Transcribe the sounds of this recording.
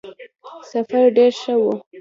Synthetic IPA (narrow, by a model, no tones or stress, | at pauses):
safaɾɖeɾʃəwu